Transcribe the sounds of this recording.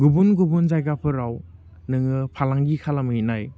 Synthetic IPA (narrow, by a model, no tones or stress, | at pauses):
ɡubunɡubund͡ʒajɡapʰɯɾaw | nɯŋɯpʰalaŋɡikʰalamɯinaj